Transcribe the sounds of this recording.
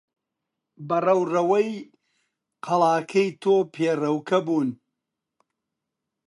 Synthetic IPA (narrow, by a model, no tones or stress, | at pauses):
bɐrɐwrɐwɐj | qʰɐlˠaːkʰɐjt̪ʰoːpʰeːrɐwkʰɐbuːn